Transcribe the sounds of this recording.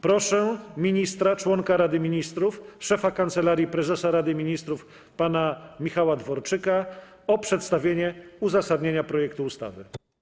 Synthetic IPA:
pɾɔʂɛmʲiɲist̪ɾat͡ʂwɔŋkaɾad̪ɘmʲiɲist̪ɾufʂɛfakant̪sɛlaɾʲjipɾɛzɛsaɾad̪ɘmʲiɲist̪ɾuf | panamʲixawad̪vɔɾt͡ʂɘka | ɔpʂɛt̪st̪avʲjeɲɛuzasad̪ɲeɲapɾɔjɛk̚t̪uust̪a̰vɘ̰

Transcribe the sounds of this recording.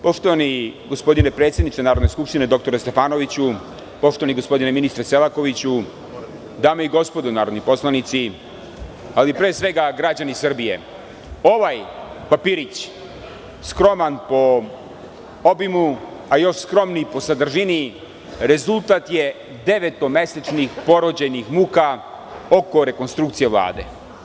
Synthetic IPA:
po̞ʃt̪oʋaniɡo̞spo̞d̪inepɾet̪sʲjed̪nit͡ʃ̪enaːɾod̪ne̞skupʃt̪ine̞d̪o̞k̚t̪o̞ɾest̪e̞faːno̞ʋit͡ɕu | po̞ʃt̪oaniɡo̞spo̞d̪ineminist̪ɾeselako̞ʋit͡ɕu | d̪aːmoiɡo̞spo̞d̪unaːɾo̞d̪nipo̞slˠanit̪si | alipɾeːsʋe̞ɡaɡɾad͡ʑanisr̩bije̞̰ | o̞ʋaj | papiːɾit͡ɕ | skɾo̞manpo̞ | obimu | ajo̞ʃskɾo̞mnipo̞sad̪r̩ʒini | ɾe̞zulˠt̪at̪je | d̪e̞ʋet̪o̞me̞set͡ʃnixpo̞ɾod͡ʑenixmuːka | o̞ko̞ɾe̞ko̞nst̪ɾukt̪sijeʋlˠa̰ːd̪e̞̰

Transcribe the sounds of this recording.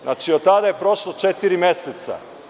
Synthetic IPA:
nat͡ʃiot̪ad̪aje̞pɾo̞ʃlˠot͡ʃet̪iɾimjeset̪sa̰

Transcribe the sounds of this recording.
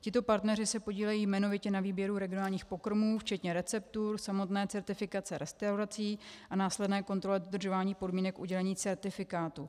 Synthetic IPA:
cɪt̪o̞paɾt̪nɛrɪsɛpo̞ɟiːlɛjiːmɛno̞vɪcɛnaviːbjɛɾuɾɛɡɪonaːlɲiːxpo̞kɾmuːft͡ʃɛt̪ɲɛɾɛt͡sɛpt̪uɾsamo̞t̪nɛːt͡sɛɾt̪ɪfɪkat͡sɛɾʔɛst̪awɾat͡siːʔanaːslɛdnɛːko̞nt̪ɾo̞lɛdo̞d̪r̩ʒo̞vaːɲiːpo̞dmiːnɛkʔuɟɛlɛɲiːt͡sɛɾt̪ɪfɪkaːt̪u

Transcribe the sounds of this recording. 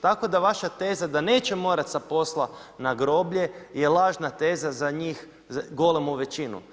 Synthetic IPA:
t̪ako̞d̪aʋaʃat̪e̞ːzad̪ane̞ːt͡ʃemo̞ːɾat̪sapo̞slˠanaɡɾo̞bʎe̞je̞lˠaːʒnat̪e̞ːzazaɲiːx | ɡo̞lemouʋe̞t͡ɕinṵ

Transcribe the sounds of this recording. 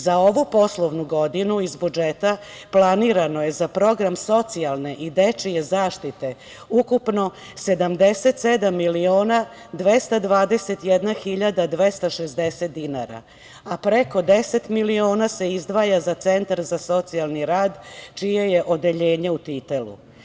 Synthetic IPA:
zao̞ʋupo̞slˠo̞ʋnuɡo̞d̪inuizbud͡ʒet̪a | planiːɾano̞je̞zapɾo̞ɡɾamso̞t̪sialˠne̞ʔid̪et͡ʂije̞zaːʃt̪it̪e̞ | ukupno̞ | se̞d̪amd̪e̞se̞t̪sed̪amːilio̞ːna | d̪ʋest̪ad̪ʋaːd̪e̞se̞t̪jed̪naxiʎad̪ad̪ʋe̞st̪aʃezd̪eset̪̚d̪inaɾa̰ | apɾeko̞d̪ese̞t̪milio̞ːnase̞izd̪ʋajazat̪se̞nt̪aɾzaso̞t̪sialˠniɾaːd̪t͡ʃijeje̞ʔo̞d̪e̞ʎe̞ːɲe̞ut̪it̪elṵ

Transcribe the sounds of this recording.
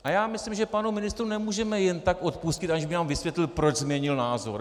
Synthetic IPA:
ʔajaːmɪslimʒɛpanumɪnɪst̪ɾunɛmuːʒɛmɛjɛnt̪akʔo̞t̪̚puscɪt̪aɲʒbɪnaːmvɪsvjɛt̪lɪlpɾo̞d͡ʒzmɲɛɲɪlnaːzo̰ɾ

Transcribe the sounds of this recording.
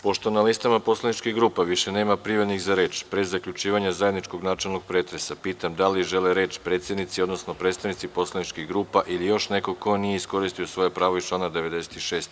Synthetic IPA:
po̞ʃt̪o̞nalist̪amapo̞slenit͡ʃkiɡɾuːpaʋiʃe̞ne̞ːmapɾiʋed̪niɣzaɾe̞ːt͡ʃpɾezakʎut͡ʃiːʋaɲazajed̪nit͡ʃko̞ɡnaːt͡ʃelˠno̞ɡ̥̚pɾeːt̪ɾe̞sapiːt̪amd̪aliʒe̞leɾe̞ːt͡ʃpɾet̪sje̞d̪nit̪sio̞d̪no̞sno̞pɾet̪st̪aʋnit̪sipo̞slˠenit͡ʃkiɡɾuːpaʔilijo̞ʃne̞ko̞ko̞nijeisko̞ɾist̪iosʋo̞jepɾaːʋo̞it͡ʃlˠaːnad̪eʋe̞d̪e̞se̥t̪iʃe̞ːst̪

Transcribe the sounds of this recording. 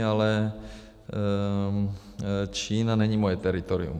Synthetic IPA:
alɛ | t͡ʃiːnanɛɲiːmojɛt̪ɛɾit̪oɾḭṵm

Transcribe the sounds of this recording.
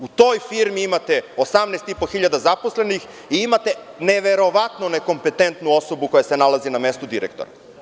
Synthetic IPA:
ut̪o̞jfiɾmiimat̪e̞osamnest̪ipo̞xiʎad̪azaposlenix | iimat̪e̞ne̞ʋe̞ɾo̞ʋat̪none̞ko̞mpe̞t̪ent̪nuo̞so̞buko̞jase̞nalaziname̞st̪ud̪iɾekt̪oɾa̰

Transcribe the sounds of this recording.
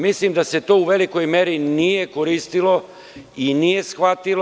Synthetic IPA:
mislimd̪aset̪o̞ːuʋe̞liko̞jme̞ɾinijekoɾiːst̪ilo̞ | inije̞sxʋat̪il

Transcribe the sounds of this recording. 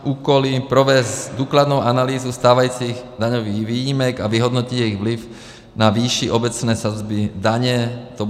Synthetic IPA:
uːkɔlipɾɔʋɛzd̪uklad̪nuʊanaliːzust̪aːʋajuːt͡siɣd̪aɲɔʋiːʋiːjimɛɡaʋiɦɔd̪nɔciɟɛiɣʋliʊ | naʋiːʃiʔɔbɛt͡snɛːsad͡zbid̪aɲɛt̪ɔ

